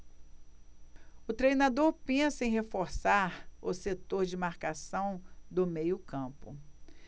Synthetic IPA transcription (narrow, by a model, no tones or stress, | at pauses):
ʊt̪ɾejnad̪oɾpẽsɐẽj̃ɦefoɾsaɾʊset̪oɾd͡ʒɪmaɾkasɐ̃w̃d̪ʊmejʊkɐ̃pʊ